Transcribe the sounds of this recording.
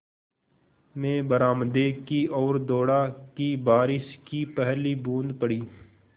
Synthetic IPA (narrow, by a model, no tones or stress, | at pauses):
mẽːbəɾaːmd̪ekiɔːɾd̪oːɽakibaːɾɪʃkipɛɦlibũːnd̪pəɽiː